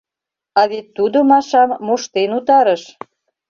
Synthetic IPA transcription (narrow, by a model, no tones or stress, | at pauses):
ɑβet̪ːud̪omɑʃɑmːoʃt̪enut̪ɑɾəʃ